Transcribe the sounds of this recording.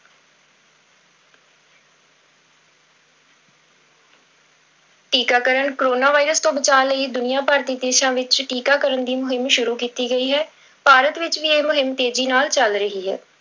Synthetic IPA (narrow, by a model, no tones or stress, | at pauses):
ʈiːkaːkəɾəɳkoɾoːnaːʋaːɪɾəst̪õːbət͡ʃaːləiːd̪ʊnɪjãːpaːɾt̪iːd̪eːʃãːʋɪt͡ʃʈiːkaːkəɾəɳd̪iːmʊɦɪmʃʊɾuːkiːt̪iːɡəiːɦɛː | paːɾət̪ʋɪt͡ʃʋiːeːmʊɦɪmt̪eːd͡ʒiːnaːlt͡ʃəlɾəɦiːɦɛ̰ː